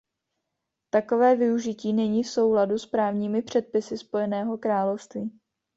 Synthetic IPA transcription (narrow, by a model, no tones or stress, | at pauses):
t̪ako̞vɛːvɪuʒɪciːnɛɲiːfso̞wɦladuspɾaːvɲiːmɪpr̝̥ɛt̪̚pɪsɪspo̞jɛnɛːɦo̞kɾaːlofst̪viː